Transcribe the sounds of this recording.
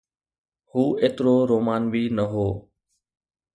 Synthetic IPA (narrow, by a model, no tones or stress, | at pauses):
huːeːt̪ɾoːɾoːmaːnbʱiːnəɦoː